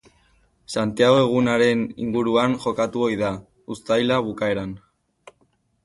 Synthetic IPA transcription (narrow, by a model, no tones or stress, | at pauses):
sant̪iaɣ̞oe̞ɣ̞unaɾe̞nḭŋɡuɾuanʝo̞kat̪uo̞jða | ust̪ajlaβukae̞ɾan